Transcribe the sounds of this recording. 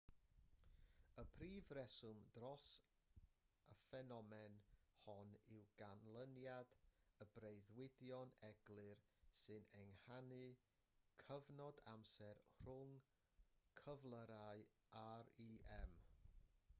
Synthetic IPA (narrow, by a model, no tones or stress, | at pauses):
əpʰriːvrɛsʊmdrɔs | əfɛnɔmɛnhɔnɪwɡ̥anlˠənjadəbrejðwɪdjɔnɛɡlˠɨrsɨnɛŋhanɨ | kʰəvnɔdamsɛrr̥ʊŋ | kʰəvlˠəɾaɨ | aɾiɛm